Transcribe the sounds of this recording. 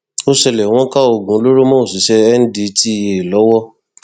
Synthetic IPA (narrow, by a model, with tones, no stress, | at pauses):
o˦ʃɛ˧lɛ˨w̃ɔ̃˦ka˦o˧˨ɡũ˨˦lo˦ɾo˦mɔ̃˦o˨si˨˦ʃɛ˧ɛ˦n̩˦di˧˦ti˦˨je˧i˨lɔ˨˦wɔ˦